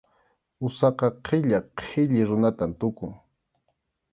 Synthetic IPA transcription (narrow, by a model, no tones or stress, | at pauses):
ʊsɑqɑqʰɪʎaqʰɪʎɪɾʊnat̪ant̪ʊkʊŋ